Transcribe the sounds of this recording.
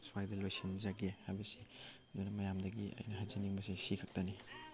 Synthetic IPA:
swajdɐlojsinzaɡehajbɐsi | dojnɐmɐjamdɐɡiɐ̰jnɐɦajzaniŋbɐsisikʰɐk̚tɐni

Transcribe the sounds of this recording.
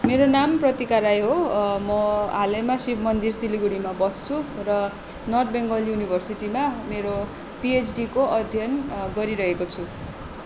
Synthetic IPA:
meɾonamprʌt̪ikaɾajɦomʌalemasibʱmʌnd̪irsiliɡuɽimabʌst͡sʰurʌ | nʌrd̪̚beŋɡʌljunibʱʌrsiʈimameɾo | piet͡sɖikoʔʌd̪ʱjʌnɡʌɾiɾʌɦekot͡sʰu

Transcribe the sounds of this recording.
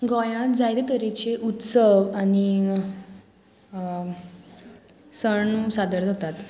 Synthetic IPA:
ɡɔ̃jãt̪̚d͡zajd̪et̪əɾit͡ɕeʔut̪səʋani | səɳsad̪əɾd͡zʱat̪at̪

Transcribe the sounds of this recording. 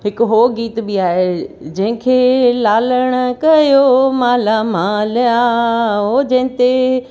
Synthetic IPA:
ɦɪkɦoːɡiːt̪biaːɦed͡ʑɐ̃ɦɪ̃kʰeːlaːləɽ̃ʊ̆kɐjomaːlamaːljaɦoːd͡ʑɐ̃ɦɪ̃t̪e

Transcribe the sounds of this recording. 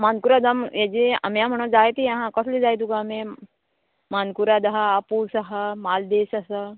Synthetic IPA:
mankuɾad̪ɐmjɐd͡ʒeɐ̰mjãm̤ɐɳ̃õd͡zaːjt̪iɐɦãkɔslid͡ʒaːjd̪uɡamẽ | maːnkuɾad̪ɐɦɐapusɐɦɐmaːld̪eːʃɐsɐ

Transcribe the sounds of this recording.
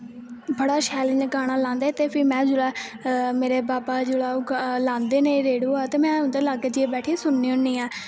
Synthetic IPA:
bəɽaːʃɛːlɪɲd͡ʒɡaːɽ̃aːlãːnd̪aːt̪eːpʰɪːmɛ̃ːd͡ʒʊlaːmeːɾeːbaːbaːd͡ʒʊɽaːuɡlãːnd̪eːnẽːɾeːɽuːaːt̪eːmɛ̃ːʊnd̪eːlaːɡeːd͡ʒieːbɛːʈʰiːsʊnːiːʊnːiːãː

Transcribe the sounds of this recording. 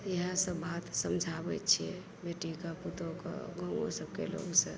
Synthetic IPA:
eɦãsəbat̪səmd͡ʒʱabɛtt͡ʃʰiɛ | beʈikaput̪oka̰ɡəŋo̰səb̚kelo̰ɡsə̃

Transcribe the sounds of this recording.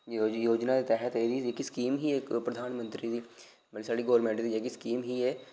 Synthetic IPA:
ojoːd͡ʒnad̪it̪ɛɦət̪eːd̪iekiskiːmɦiekpɾəd̪ʱaːnmə̃nt̪ɾid̪iː | bəlisaːɽiɡoːɾmẽːɳʈd̪id͡ʒekiskiːmɦiɛː

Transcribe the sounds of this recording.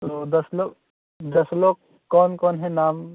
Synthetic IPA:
t̪od̪ɐsloːɡ | d̪ɐsloːɡ̚ | kːɔːnkɔːnɦɛnaːm

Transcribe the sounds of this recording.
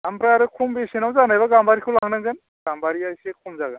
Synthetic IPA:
ampɾaːɾɯkʰumbesinawzanajbaɡambaɾikʰulaɦnaŋɡɯn | ɡambaɾiajsekʰumzaɡan

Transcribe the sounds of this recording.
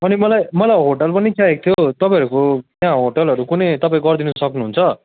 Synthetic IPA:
ʌnimʌlajmʌlajɦoʈʌlpʌnikʰjaek̚t̪ʰijot̪ʌpãj̃ɦʌɾukot̪jãɦoʈʌlɦʌɾukunejt̪ʌpaĩɡʌrd̪inʌsʌknuɦunt͡sʰʌ

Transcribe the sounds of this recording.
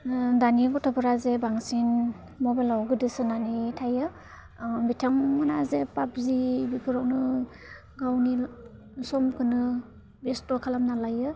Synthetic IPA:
danibɔtʰɔpɯɾazebaŋsin | mɔbalawɡɯdɯsɯnanitʰajɯ | bitʰaŋmanazepap̚zibipʰɯɾɔwnɯ | ɡawni | sɔmkʰɯnɯ | bestɔkʰalamnalajɯ

